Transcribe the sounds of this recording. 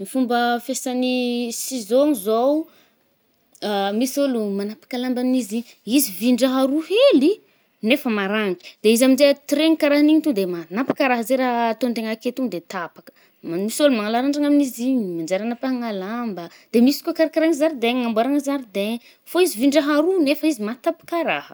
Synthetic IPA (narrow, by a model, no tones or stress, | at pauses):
mifumbəfesanisizoŋizow | amisolumanapḁkalambanizi | iziviɳɖ͡ʐaɦaɾuheli | nefəmaɾaŋki̥d̪̥eizamind͡ʒet̪ɾeŋikaɾaɦaniɲit̪ud̪emanapḁkaɾaɦəzeɾat̪ont̪eŋaket̪uŋd̪et̪apakə̥ | mmisolumaŋalaɾaɳɖ͡ʐaŋaminiziɲimand͡ʒaɾanapaŋalambə | d̪̥emisi̥kʲakaɾakaɾaŋizaɾd̪eŋŋambwaɾaŋəzaɾid̪eŋ | foiziviɳɖ͡ʐaɦaɾunefəizimat̪apḁkaɾa̰hə̥